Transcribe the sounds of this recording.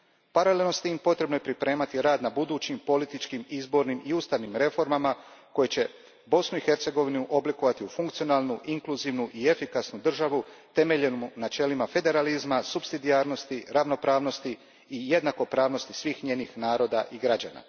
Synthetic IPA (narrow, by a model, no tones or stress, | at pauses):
paɾalelnost̪iːmpo̞t̪ɾe̞bno̞jepɾipɾe̞ːmat̪iɾaːd̪nabud̪uːt͡ɕimpo̞lit̪it͡ʃkimizbo̞ɾnimiuːst̪aʋnimɾe̞fo̞ɾmamakojet͡ɕe̞ | bo̞snuixe̞ɾt̪se̞ɡo̞ʋinuʔo̞blikoʋat̪iufuŋkt̪sionaːlˠnuʔiŋkluziʋnuʔie̞fikasnud̪r̩ʒaʋut̪e̞me̞ʎe̞nunat͡ʃe̞limafe̞d̪e̞ɾalizmasubsid̪ijaːɾno̞st̪iɾaʋno̞pɾaːʋno̞st̪iː | je̞d̪nako̞pɾaːʋno̞st̪isʋiːxɲe̞ːnixnaːɾo̞d̪a̰ʔiɡɾad͡ʑa̰ːna̰